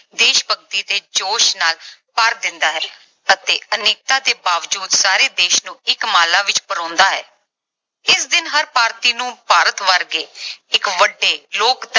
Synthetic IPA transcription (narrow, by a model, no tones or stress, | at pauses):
d̪eːʃpəɡt̪iːt̪eːd͡ʒoːʃnaːlpəɾd̪ɪnd̪aːɦɛː | ət̪eːəneːk̚t̪aːt̪eːbaːʋd͡ʒuːd̪saːɾeːd̪eːʃnũːɪkmaːlãːʋɪt͡ʃpəɾɔ̃ːnd̪aːɦɛ̰ː | ɪsd̪ɪnɦəɾpaːɾt̪iːnũːpaːɾət̪ʋəɾɡeːɪkʋəɖːeːloːkd̪